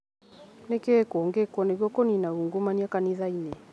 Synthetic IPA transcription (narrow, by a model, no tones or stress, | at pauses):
nekekɔŋɡekɔneɡɔkoninauŋɡomaniakaniðaine